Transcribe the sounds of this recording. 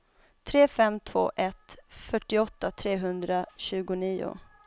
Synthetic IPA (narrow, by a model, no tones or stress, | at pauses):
t̪ʰɾeːfɛmt̪ʰvo̰ːʔɛt̪fœʈːɪɔt̪ːat̪ʰɾeːɦɵnd̪ɾaɕʉ̟ːɡʊniːʊ̰